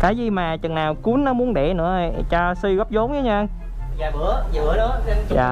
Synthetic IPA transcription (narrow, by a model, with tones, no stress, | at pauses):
kaː˨˦jzi˨˩maː˨˩t͡ɕə˨˩ŋnaː˨˩wku˨˦ənːɔ˨˦mu˨˦ənɗɛ˧˩nɨ̰˧˥ə˨˩t͡ɕɔ˧si˧ɣɔ˦˥p̚zo˨˦ŋ͡mɲə˨˦ɲa˧ʔa˧ŋː˧˨ | ɨ˨˦ə˧˦˨ | ja̰ː˧˨